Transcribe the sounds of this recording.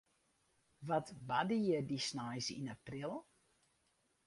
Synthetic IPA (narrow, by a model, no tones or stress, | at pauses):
ʋɔtbadəjədisnajsḭnaprilˠ